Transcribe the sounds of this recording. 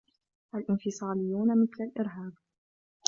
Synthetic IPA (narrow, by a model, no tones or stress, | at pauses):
ʔalʔɪnfɪsˤɑːlɪjːuːnamɪθlalʔɪɾɦaːb